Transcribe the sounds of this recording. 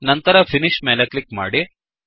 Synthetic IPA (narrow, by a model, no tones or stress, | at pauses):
nɐnt̪ɐɾɐfʰiniʃmeːleklikma̰ːɽi